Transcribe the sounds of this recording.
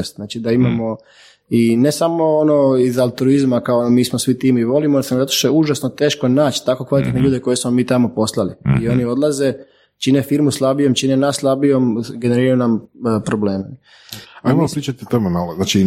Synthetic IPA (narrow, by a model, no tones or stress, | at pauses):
st̪znaːt͡ʃid̪aimamo̞ | ine̞samo̞onoizalˠt̪ɾuizmakaomiːsmosʋit̪iːmiʋo̞limosamzat̪o̥ʃt̪oeuʒasnot̪e̞ːʃko̞naːt͡ʃt̪ako̞kʋalit̪et̪neʎuːd̪eko̞jesmo̞miːt̪amo̞po̞slˠaliio̞nio̞d̪lˠaze̞ | t͡ʃinefiɾmuslabijo̞mt͡ʃinenaslˠabijo̞mɡe̞neɾiɾaunampɾo̞bleːme | ajmopɾiːt͡ʃat̪it̪omemalznaːt͡ʃi